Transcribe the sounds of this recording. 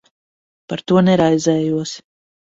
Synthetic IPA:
paɾt̪uɔnɛɾajzɛːjuɔs

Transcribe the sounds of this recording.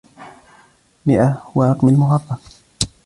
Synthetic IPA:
mɪʔawɑɾˤɑqmalmʊɣɑrˤːɑ

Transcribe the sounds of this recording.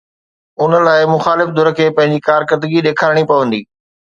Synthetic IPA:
ʊnə̆laːɪmʊxaːlɪfd̪ʊɾəkʰeːpɐ̃ɦɪ̃ɲd͡ʑikaːɾkəɾd̪əɡiɗeːkʰaːɾɽ̃ipɐʋə̃nd̪iː

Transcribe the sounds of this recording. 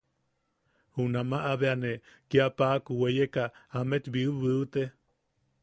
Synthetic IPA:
hunamaʔaβeanekiapakuwejekaamet̪biɨβɨut̪e

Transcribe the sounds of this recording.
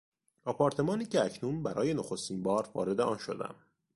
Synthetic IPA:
ɒpʰɒɾt̪ʰe̞mɒːniːcʰeæcʰnuːnbæɾʔɒ̰ːje̞noxo̞st̪iːnbɒːɾvɒ̰ːɾe̞d̪e̞ʔɒːnʃo̞d̪æ̰m

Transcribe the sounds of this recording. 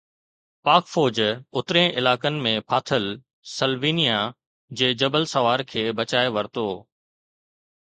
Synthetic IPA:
paːkfoːd͡ʑʊt̪ɾẽʔɪlaːkənɪ̆mẽpʰaːt̪ʰəl | səlʋiːnija | d͡ʑeːd͡ʑɐbəlsɐʋaːɾkʰeːbɐt͡ɕaːeʋɐɾt̪oː

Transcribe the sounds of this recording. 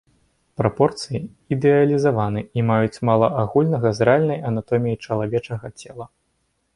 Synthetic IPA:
pɾapɔrt̪sɨji | id̪ɛɐlʲizavanɨimajut͡sʲmalˠɐʔaɣulʲnɐɣɐzɾalʲnɐjɐnat̪ɔmʲijit͡ʂɐlˠavʲɛt͡ʂɐɣɐt͡sʲɛlˠɐ

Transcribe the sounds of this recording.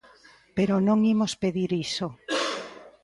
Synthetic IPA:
peɾonõŋimospeðiɾiso

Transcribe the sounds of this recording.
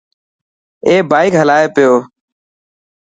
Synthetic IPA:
eːbaːɪkɦəlaːeːpɪjoː

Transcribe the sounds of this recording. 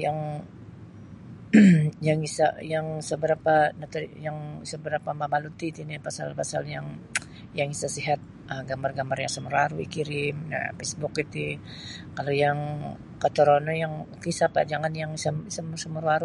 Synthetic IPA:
jaŋ | jaŋisa̰jaŋsəbəɾapanat̪əjaŋsəbəɾapamamalut̪it̪inipasa̰lpasa̰ljaŋ | jaŋisasiɦat̪̚ | ʔəɡambarɡambarjaŋsəmuɾaɾuḭkiɾɪma̰fesbʊkit̪i | kalojaŋ | kat̪əɾonojaŋkisapa̰d͡ʒaŋanjaŋisamsəmsəmuɾuaɾu

